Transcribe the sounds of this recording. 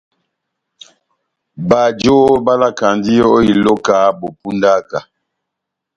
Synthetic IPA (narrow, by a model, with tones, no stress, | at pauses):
ba˨d͡ʒo˦ba˦la˦ka˨n˦di˦jo˦o˦i˨lo˦ka˨˦bo˨pu˦nda˦ka˨